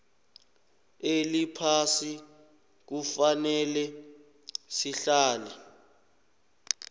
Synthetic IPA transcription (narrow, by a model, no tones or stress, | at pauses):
elipʰasi | k̬ufanɛlɛ | siɬaːlɛ